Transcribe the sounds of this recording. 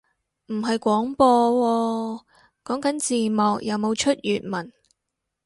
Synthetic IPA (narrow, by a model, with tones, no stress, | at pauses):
m̩˨˩ɦɐ˨jkʷɔː˨˥ŋpɔː˧wɔː˧ | kɔː˨˥ŋkɐ˨˥nt͡siː˨mɔː˨k̚jɐ˨˧wmo˨˧wt͡ʃʰɵ˥t̚jyː˨t̚mɐ˨˩n